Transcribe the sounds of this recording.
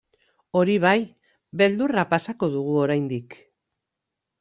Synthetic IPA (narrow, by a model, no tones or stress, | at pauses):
o̞ɾiβ̞aj | be̞ld̪urapasako̞ðuɣ̞uo̞ɾajnd̪ik